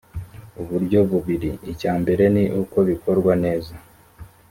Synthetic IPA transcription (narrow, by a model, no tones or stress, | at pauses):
uβuɾɟo̞βuβiɾiicaːmbe̞ɾe̞niʔuko̞βiko̞ɾɡwane̞ːza